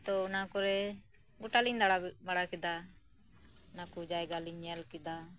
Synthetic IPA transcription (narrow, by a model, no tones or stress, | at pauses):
t̪ɔunakɔɾɛ | ɡuʈaliɲd̪aɽabaɽakɛd̪a | nakud͡ʒajɡaliɲɛlkɛd̪a